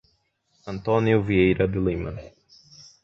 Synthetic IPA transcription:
ɐ̃nt̪õniʊviejɾɐd̪ʊlĩmɐ̰̃

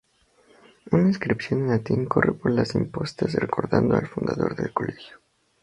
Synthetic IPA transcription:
unainskɾipsjo̞nenlat̪iŋko̞repo̞ɾlasimpo̞st̪asreko̞ɾðand̪oalfund̪aðo̞ɾðe̞lkole̞xjo

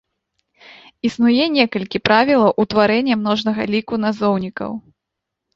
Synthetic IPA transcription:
isnujɛnʲɛkɐlʲkʲipɾavʲilˠɐwʔut̪vaɾɛnʲːɛmn̪ɔʐnɐɣɐlʲikunazɔwnʲikɐ̰w

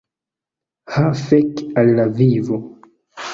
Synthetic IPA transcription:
hafɛkallavivo

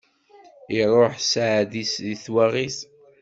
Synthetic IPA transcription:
iɾˤːoħsʕðisðiθwaʁiθ

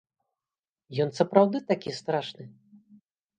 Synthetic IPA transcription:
jɔnsɐpɾawd̪ɨt̪akʲist̪ɾaʂnɨ

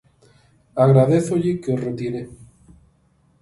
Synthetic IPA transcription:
aɣɾaðeθoʎɪkeoret̪iɾe

